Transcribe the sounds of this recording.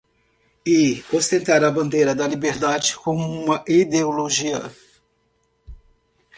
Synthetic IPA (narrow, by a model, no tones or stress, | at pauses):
ɪost̪ẽnt̪aɾɐbɐ̃nd̪ejɾɐd̪ɐlibeɾd̪ad͡ʒɪkõũmɐʔid̪eoloʒiɐ̰